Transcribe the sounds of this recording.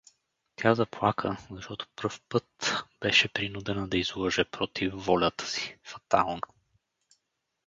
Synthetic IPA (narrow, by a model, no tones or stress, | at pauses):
t̪ʰʲazɐplˠakʰəzɐʃt̪ɔt̪o̥pɾɤfpɤt̪b̥ɛʃɛpɾinud̪ɛnəd̪ɐizlˠɔʒɛpɾɔt̪ifːɔlʲət̪ə̥si̥fɐ̥t̪a̰lˠno